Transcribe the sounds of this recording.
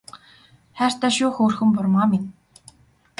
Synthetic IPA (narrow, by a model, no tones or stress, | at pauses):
χær̥t̪aːʃʊːxoːrxɵ̆mpʊrmaːmɪn